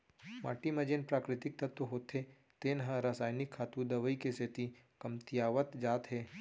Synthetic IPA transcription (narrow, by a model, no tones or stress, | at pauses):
ma̰ːʈimɐ̃d͡ʒenpɾaːkɾɪt̪ɪk̚t̪ɐt̪əɦoːt̪ʰːe | t̪eːnɦãɾaːsaːjnɪkʰːaːt̪ud̪ɐʋəikeset̪i | kɐmt̪ijaːʋət̪d͡ʒaːt̪ɦeː